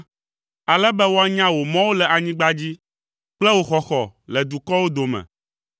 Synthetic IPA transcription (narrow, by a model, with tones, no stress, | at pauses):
a˨lɛ˦bɛ˦wo˦a˦ɲã˦wo˨mɔ̃˦wo˦lɛ˨ʔa˨ɲĩ˦ɡ͡ba˦d͡ʑi˦ | k͡plɛ˦wo˦xɔ˨xɔ˨lɛ˨d̪u˨kɔ˦wo˦d̪o˨mɛ̰̃˨